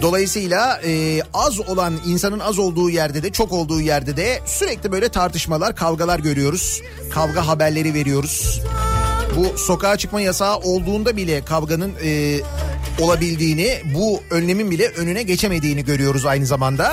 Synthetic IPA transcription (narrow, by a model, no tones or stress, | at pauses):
d̪o̞lˠajɯsɯjlˠaɯːazo̞lˠaninsanɯnazo̞lˠd̪uːjæɾd̪ɛd̪ɛt͡ʃʰo̞ko̞lˠd̪uːjæɾd̪ɛd̪ɛsyɾɛclʲibø̞jlʲɛt̪ʰaɾt̪ʰɯʃmalˠaɾkʰalˠɡalˠaɾɟø̞ɾyjo̞ɾuz̥ | kʰalˠɡaɦabæɾlʲe̞ɾive̞ɾijo̞ɾuz̥ | buso̞kaːt͡ʃʰɯkmajasaːʔo̞lˠd̪uːnd̪abilʲɛkʰalˠɡanɯnɯ | o̞lˠabilʲd̪iːnibuønːe̞minbilʲɛʔønynɛɟe̞t͡ʃʰe̞me̞d̪iːniɟø̞ɾyjo̞ɾuzajnɯzamand̪a